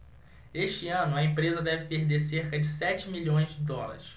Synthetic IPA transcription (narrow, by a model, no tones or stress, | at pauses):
eʃt͡ʃɪɐ̃nʊɐẽpɾezɐd̪ɛvɪpeɾd̪eɾseɾkɐd͡ʒɪsɛt͡ʃɪmiʎõj̃zd͡ʒɪd̪ɔlɐ̰ɾɪs